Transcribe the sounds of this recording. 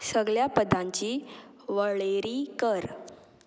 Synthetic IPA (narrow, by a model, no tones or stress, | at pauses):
səɡɭjapəd̪ʱãɲt͡ɕiː | ʋəɭeɾiːkəɾ